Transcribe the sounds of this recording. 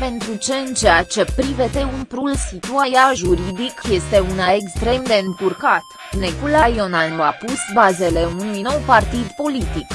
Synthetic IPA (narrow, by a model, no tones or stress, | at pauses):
pe̞nt̪ɾut͡ʃe̞ɨnt͡ʃejat͡ʃe̞pɾivet̪e̞umpɾulsit̪uajaʒuɾid̪ikje̞st̪e̞unaekst̪ɾe̞md̪e̞ɨŋk̪urkat̪ | nekulajonalnuapusbaze̞le̞unujno̞wpart̪id̪po̞lit̪ik